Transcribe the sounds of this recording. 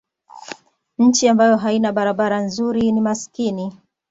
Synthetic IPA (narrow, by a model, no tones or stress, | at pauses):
ɲ̩t͡ʃiambajɔɦainaɓaɾaɓaɾanzuɾinimaskini